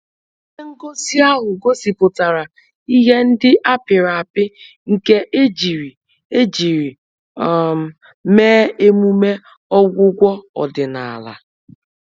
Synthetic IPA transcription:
e˦ŋ̩˦ɡo˦zi˦a˦ɦʊ˨ɡo˦si˨pʊ˨ta˨ɾa˨ | i˦ɦe˦n̩˦dɪ˦ʔa˦pɪ˨ɾa˨a˨pɪ˦ | ŋ̩˨ke˦ʔe˦d͡ʒi˨ɾi˨ | e˦d͡ʒi˨ɾi˨ | meː˦e˦mu˦me˦ | ɔ˦ɡʷʊ˦ɡʷɔ˦ɔ̰˨dɪ˨na˨a̰˨la̰˨

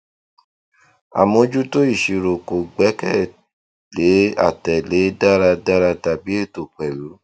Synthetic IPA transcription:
a̰˨mõ˧d͡ʒu˦to˦i˦˨ʃi˧ɾo˨ko˨ɡ͡bɛ˨˦kɛ˦˨ | le˨˦a̰˦˨tɛ˨le˨˦da˦ɾa˧da˦ɾa˧ta˧bi˦e˦˨to˨k͡pɛ˨lu˨˦

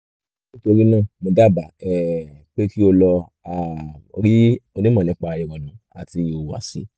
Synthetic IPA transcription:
nĩ˦to˧ɾi˦nãː˦˨mo˧da˦˨ba˨ɛ˨k͡pe˦ki˦o˧lɔ˧ | a˨o̰˧ɾi˦o˧nĩ˦mɔ̃˦˨ĩ˨˦k͡pa˧ji˧wɔ˨nã˨˦a̰˨ti˧o˨wa̰˨sḭ˨˦

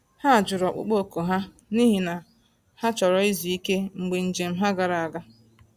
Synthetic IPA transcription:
ha˦a˨d͡ʒʊ˨ɾɔ˨k͡pʊ̰˦k͡po˦˨ko˨ɦa˦ | ni˦ɦi˨na˨ | ha˦t͡ʃɔ˨ɾɔ˨i˦zi˨i˦ke˦ŋ͡m̩˨ɡ͡be˨n̩˨d͡ʒe˨m̩˦ɦa˦ɡa˨ɾa˨a˨ɡa˦

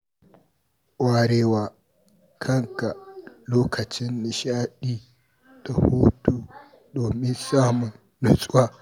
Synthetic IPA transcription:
ʔʷaː˨ɾeː˦waː˨ | kʰɐ˦˨ŋka˨loː˦kɐ˨t͡ʃɪ˦nːɪ˨ʃaː˦ɗiː˦ | d̥a˨hu˦tu˨ | doː˨mɪ˦nsaː˦mʊ˨nːʊ˨sʼwaː˦

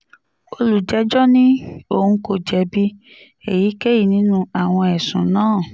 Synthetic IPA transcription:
o˧lu˨d͡ʒɛ˨˦d͡ʒɔ˦nĩ˦o˦˨hũ˧ko˦˨d͡ʒɛ˨˧bi˦ | e˨ji˨˦ke˦ji˦˨nĩ˨˦nũ˦a˨w̃ɔ̃˧ɛ˨sũ˨nãː˦˨

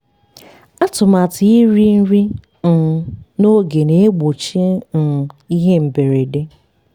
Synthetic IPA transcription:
a˦tʊ˨ma˨tɪ˨˦i˦ɾi˦n̩˦ɾi˦ | n̩˨no˦ɡe˨ne˦e˦ɡ͡bo˨t͡ʃi˦n̩˨i˦ɦe˦m̩˨be˨ɾe˨de˦

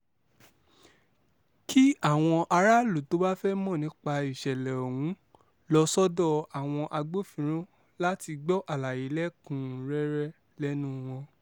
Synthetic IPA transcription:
ki˦a˦˨w̃ɔ̃˧ʔa˧ɾa˦lu˨to˨˦ba˦fɛ˦mɔ̃˦˨nĩ˨˦k͡pa˧i˨ʃɛ˨lɛ˨o˨wũ˨˦ | lɔ˧sɔ˦dɔ˦˨a˨w̃ɔ̃˧ʔa˧ɡ͡bo˦fĩ˧˦ɾ̃ũ˦ | la˦ti˧ɡ͡bɔ˦ʔa˦˨la˨ji˨˦lɛ˦kũ˨ɾɛ˦ɾɛ˦ | lɛ˦nũ˦w̃ɔ̃˧

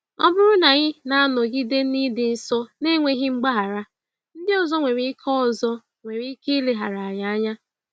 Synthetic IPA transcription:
ɔ˦bʊ˦ɾʊ˦na˨ɣɪ˦na˦a˦nɔ˨ɡi˦de˦ni˦dɪ˨n̩˦sɔ˦ne˦ŋʷe˦ɦɪ˦ŋ͡m̩˦ɡ͡ba˦ɦa˨ɾa˦ | n̩˦dɪ˦ɔ˨zɔ˦ŋʷe˨ɾi˦kʰɔ˦˨zɔ˦ | ŋʷe˨ɾi˦i˦ke˦le˨ɦa˨ɾa˨a˨ɲa˨a˦ɲa˦

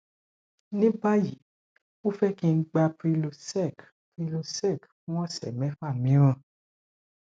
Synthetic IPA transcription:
nĩ˦ba˦ji˨˦ | o˦fɛ˦kĩ˧˦ɡ͡ba˧pɾi˧lo˧sɛ˦˨k | pi˧lo˧sɛ˦˨kfũ˦ɔ̃˦˨sɛ̰˨mɛ̃˨˦fa˦˨mĩ˨˦ɾ̃ã˦˧˨

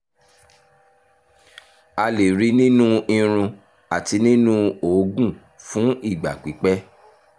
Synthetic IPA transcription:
a˧le˨ɾi˦nĩ˦nũ˦ĩ˧ɾ̃ũ˧ | a˨ti˧nĩ˦nũ˦o˨˦ɡũ˦˨ | fũ˨˦i˦˨ɡ͡ba̰˨k͡pi˨˦k͡pɛ˦

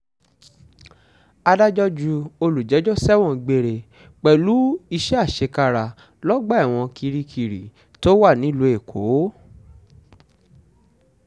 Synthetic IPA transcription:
a˧da˦d͡ʒɔ˦d͡ʒu˧o˧lu˨d͡ʒɛ˨˦d͡ʒɔ˦sɛ˦w̃ɔ̃˧˨ɡ͡be˧ɾe˨ | k͡pɛ˨lu˨˦i˧ʃɛ˦a˦˨ʃe˧ka˧ɾa˧˨ | lɔ˦ɡ͡ba˦a˦˨w̃ɔ̃˧kʰi˧ɾi˧kʰi˨ɾi˨ | to˦wa˦˨nĩ˨˦˨lu˨˧e˨kʰo˨˦

